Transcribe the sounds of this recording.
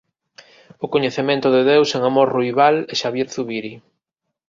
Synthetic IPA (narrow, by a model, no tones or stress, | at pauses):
ʊkoɲeθemẽnt̪ʊðeðewsɛŋamoɾrujβaleʃaβjeɾθuβiɾi